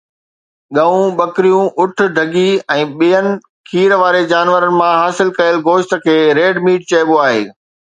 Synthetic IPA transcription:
ɠɐũɓɐkɾijũʔʊʈʰʊ̆ɖʱɐɡiɛ̃ːɓijənɪ̆ | kʰiːɾʋaːɾed͡ʑaːnʋəɾənɪ̆mãɦaːsɪlkɐjəlɡoːʃt̪ə̆kʰeːɾeːɖmiːʈ̚t͡ɕɐɪɓoaːɦḛː

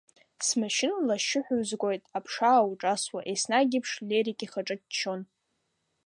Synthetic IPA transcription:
smaʃɪnlaʃɪħʷᶣʊɥzɡʷʼo̞jtʼapʰʂaːwuʈ͡ʂʼaswaʔesnaɡʲɪpʰʂlʲeɾikʼiχaʈ͡ʂʼɨtt͡ʃʰo̞n

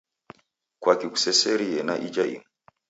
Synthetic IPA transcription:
kwakiku̥sɛsɛɾijɛnaʔid͡ʒaḭŋu

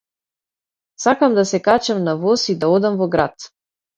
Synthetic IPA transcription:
sakamd̪asɛkat͡ʃamnavɔsid̪aɔd̪amvɔɡɾat̪

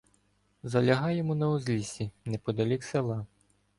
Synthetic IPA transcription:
zɐlʲɐɦɑjɛmunɐuzʲlʲisʲinɛpɔd̪ɐlʲikselˠɑ

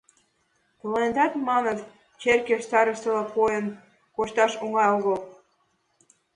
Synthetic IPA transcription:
plend̪ɑt̪mɑnət̪ | t͡ɕerkeʃt̪ɑɾə̆ʃt̪ɤ̆lɤpʰojən | koʃt̪ɑʃuŋɑjoɣɤl

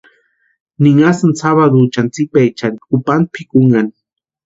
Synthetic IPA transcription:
niŋasansaβad̪ut͡ʃant͡sɪk̚pajt͡ʃankupan̚pʰikuŋani

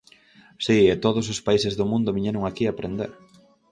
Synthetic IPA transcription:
siɛt̪oð̞ʊsospaisezðʊmũnd̪ʊβiɲeɾʊŋakiapɾend̪eɾ

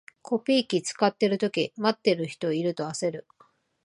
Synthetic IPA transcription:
kʰo̞pʲiːkʲit͡sɨ̥kat̪ːe̞ɾɯ̟t̪o̞kʲimat̪ːe̞ɾɯ̟çi̥t̪o̞iɾɯ̟t̪o̞ase̞ɾɯ̟

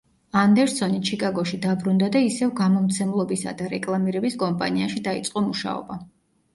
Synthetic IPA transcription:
and̪ɛɾsɔnit͡ʃʰikʼaɡɔʃid̪abɾund̪ad̪aisɛvɡamɔmt̪sʰɛmlˠɔbisa̰d̪aɾɛkʼlˠamiɾɛbiskʼɔmpʼa̰niaʃid̪ait̪sʼqʼɔmuʃa̰ɔ̰ba

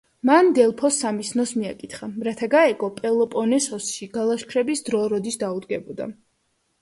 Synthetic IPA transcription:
mand̪ɛlˠpʰɔsːamisnɔsmia̰kʼit̪χaɾat̪ʰaɡaɛɡʼɔpʼɛlˠɔpʼɔnɛsɔsʃiɡalˠaʃkʰɾɛbisd̪ɾɔɾɔd̪isd̪aud̪ɡɛbɔd̪a̰

